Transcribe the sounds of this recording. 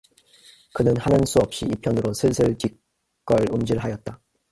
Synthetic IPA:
kɯnɯnhanɯns͈uʌp̚ɕ͈iipʰjʌnɯɾosʰɯɭsʰɯɭt͡ɕik | k͈ʌɭumd͡ʑiɭɦajʌt̚t͈a

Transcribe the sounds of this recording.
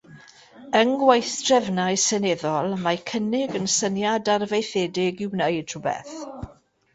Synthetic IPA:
əŋɡwajθd̥rɛvnajsɛnɛðɔlˠmakʰənɪɡənsənjadarvejθɛdɪɡɪwnəɨd̥rʊbɛ̰θ

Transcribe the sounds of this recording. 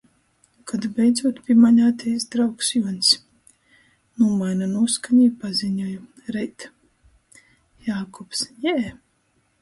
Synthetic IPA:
kʰad̪bʲɛjd̪zuɔt̪pʲimaɲaːt̪ʲɛjsd̪ɾawksjuɔns | nuɔmajnanuɔskaɲiːpaziɲuju | ɾɛjt̪ | jaːkɔpsjɛː

